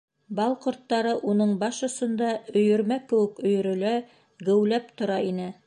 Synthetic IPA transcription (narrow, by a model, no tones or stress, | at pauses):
bɑlˠqŏɾt̪ːɑɾɤʔunɤɴbɑʃŏsɤ̆nd̪ɑɵ̆jɵ̆ɾmækɘ̆wɘkɵ̆jɵ̆ɾɵ̆læ | ɡɘ̆wlæp̚t̪ŏɾɑinɘ